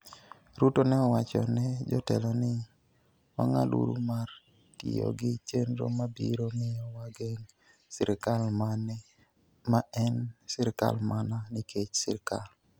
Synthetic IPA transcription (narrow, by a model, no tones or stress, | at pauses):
ɾutonɛɔwat͡ʃɔ̰nɛd͡ʒɔtɛlɔnɪ | wa̰ŋa̰lṵɾumar | tɪ̰jɔ̰ɡɪt͡ʃenɾo̰mabiɾomɪjɔwaɡeŋ | sɪɾɪkalmanɛ | maɛnsɪɾka̰lmananɪkʰet͡ʃsɪ̰ɾkal